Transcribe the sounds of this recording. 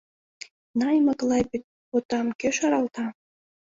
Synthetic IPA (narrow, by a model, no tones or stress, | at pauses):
nɑjmɤ̆klɑpit̪̚ | pot̪ɑmkeʃɑɾɑlt̪ɑ